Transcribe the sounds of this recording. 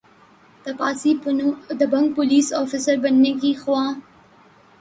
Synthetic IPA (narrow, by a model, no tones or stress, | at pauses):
t̪apɑsid̪əbaŋk̚pʊlisafɪsəɾbanːikixwɑ